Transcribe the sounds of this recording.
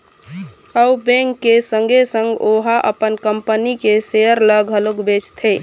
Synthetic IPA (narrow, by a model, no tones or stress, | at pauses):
əubẽŋkːesə̃ŋɡʱesəŋɡoɦaʔə̰pənkəmpənikesejəɾləɡʱɦəloɡbet͡ʃt̪ʰe